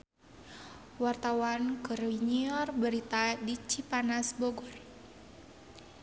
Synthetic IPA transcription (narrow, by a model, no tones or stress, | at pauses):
wart̪awankəɾiɲiɔrbəɾit̪adit͡ʃipanasbɔɡɔr